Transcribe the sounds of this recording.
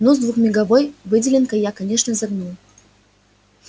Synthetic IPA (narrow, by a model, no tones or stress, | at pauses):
nɔzd̪vuxmʲɪɡɐvojvɨdʲɪlʲɪnkəjakɐnʲeʂnəzɐɡnu